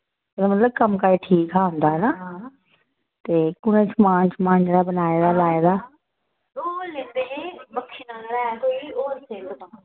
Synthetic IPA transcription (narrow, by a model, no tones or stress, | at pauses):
enemət̪ləb̚kəmkaːeːʈʰiːkɦaːɦʊ̃nd̪aːɦɛnaː | t̪eːkʊnẽːt͡ʃmãːnt͡ʃmãːnd͡ʒeːɽaːbənaːeːd̪aːlaːeːd̪aː | oːlẽnd̪ebəkʰːiːnalɾaːɛkoːioːɾseːkt̪ãː